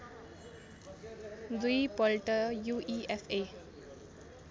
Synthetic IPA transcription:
d̪uipɔlʈəjuʔiʔefe

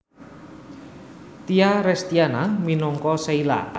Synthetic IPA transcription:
t̪iaɾɛst̪ianaminɔŋkɔseila̰

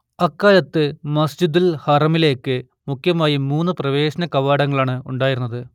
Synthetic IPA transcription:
ɐkːaːlɐt̪ːɨmɐsd͡ʑid̪ilhɐrɐmile̞ːkːɨ | mukʰːjɐmaːjimuːnːɨprɐʋe̞ːɕɐnɐkɐʋaːɽɐŋːɐɭaːɳɨuɳɖaːjiɾunːɐðɨ

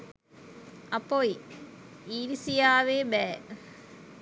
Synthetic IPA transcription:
ɐpoi | iːlisijaːʋeːbɛː

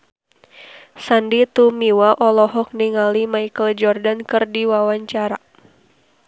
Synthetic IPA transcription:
sandit̪umiwaʔɔlɔɦɔk̚niŋalimaikəld͡ʒɔrdankɨrdiwawaɲt͡ʃaɾa

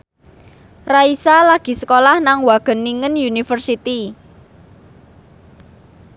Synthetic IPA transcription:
raisalaɡ̥i̤sə̥kolahnaŋwaɡ̥ə̤nːiŋənjunifərsit̪i

